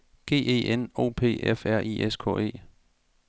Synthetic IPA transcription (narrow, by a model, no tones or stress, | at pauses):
ɡ̥e̝̰ːe̝̰ːeno̝̰ːpʰe̝̰ːʔefæɐ̰ʔiʔeskʰɔ̰ːe̝̰ː